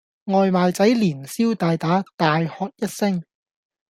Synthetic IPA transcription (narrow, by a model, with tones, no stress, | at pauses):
ŋɔː˨jmaː˨jt͡sɐ˨˥jliː˨˩nsiː˥wt̪aː˧jt̪aː˨˥t̪aː˨jhɔː˨˧k̚jɐ˥t̚sɪ˥ŋ